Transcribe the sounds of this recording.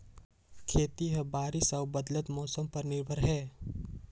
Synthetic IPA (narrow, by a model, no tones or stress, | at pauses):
kʰeːt̪iɦɛbaːɾɪsɔːbɐd̪lət̪mɔːsəmpɐɾnɪɾbʱəɾɦɛː